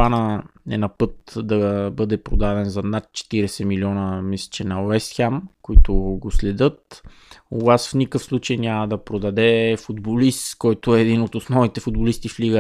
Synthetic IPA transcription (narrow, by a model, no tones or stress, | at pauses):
anəɛ̰nɐpɤt̪d̪ɐbɤd̪ɛpɾod̪ad̪ɛnzɐnat̪̚t͡ʃɛ̥t̪iɾɛsɛmiliɔnəmislɛ̥t͡ʃɛnɐwɛsxamkoit̪ʊɡoslɛd̪ɤt̪ | ovasfnʲikəfslˠut͡ʃəjnʲamɐd̪ɐpɾod̪ɐd̪ɛfud̪bolist̪kɔjt̪ʊɛːd̪inot̪osnɔvnit̪ɛfʊd̪̚bolist̪ifliɡə